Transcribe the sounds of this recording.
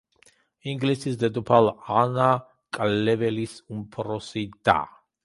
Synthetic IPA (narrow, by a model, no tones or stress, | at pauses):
iŋɡlisisd̪ɛd̪upʰalana | kʼllɛvɛlisumpʰɾɔsid̪a̰